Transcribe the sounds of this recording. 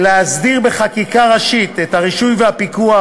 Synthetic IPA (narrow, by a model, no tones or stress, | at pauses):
leazdiʁbeχakikaʁaʃit̪ethaʁiʃujvehapikua